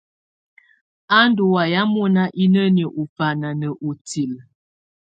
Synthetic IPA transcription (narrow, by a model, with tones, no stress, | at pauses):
a˦n˦do˨wa˨ja˦mo˦na˦ʔi˦nə˦njə˨ʔo˨fa˨na˨nə˨ʔo˨ti˨l